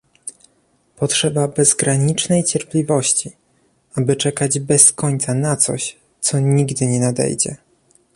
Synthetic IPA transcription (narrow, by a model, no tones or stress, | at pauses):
pɔtʂɛbabɛzɡɾaɲit͡ʂnɛjt͡ɕɛɾplʲivɔɕt͡ɕi | abɘt͡ʂɛkad͡ʑbɛskɔɲʲt̪sanat̪sɔ̰ɕ | t̪sɔɲiɡd̪ɘɲɛnad̪ɛ̰jd͡ʑɛ̰